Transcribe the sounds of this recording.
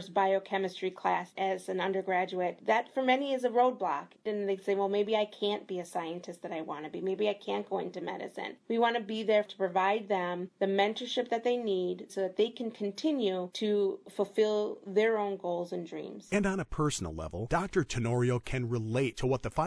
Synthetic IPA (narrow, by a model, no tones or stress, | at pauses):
zbaɪoʊkʰɛmɨstɹ̥ikʰl̥æsɨzɨ̃nʌ̃ndə˞ɡɹæd͡ʒuɨɪt̪̚ðɨtfə˞mɛniɨzɨɹoʊd̚blɑ̰kɨ̃nðeɪseɪwɛlˠmeɪbiaɪkʰæ̃nb̥iɨsaɪɨ̃ntʰɨst̪̚ðɨɾaɪwɑ̰̃nɨbimeɪbiaɪkʰæ̃nɡ̥oʊɪ̰̃ntɨmɛ̰ɾɨ̰sɨ̰̃nwiwɑ̃ñɨbiðə˞tʰə̥pʰɹ̥ɨvaɪd̪̚ðɨ̃mðɨmɛ̃ntə˞ʃɪp̚ðɨt̪̚ðeɪnidsoʊðɨt̪̚ðeɪkʰɨ̃nkʰn̩tʰɪ̃njʉɾʰɨfl̩ˠfɪlˠðə˞õʊ̃nɡoʊlˠzɨ̃ndɹḭ̃mz̥ɨ̃ñnəpʰɜ˞sn̩l̩ˠlɛ̰vl̩ˠd̥ɑk̚tə˞tʰɨnɔɹioʊkʰɨ̃nɹɪleɪtʰəwʌt̪̚ðɨfa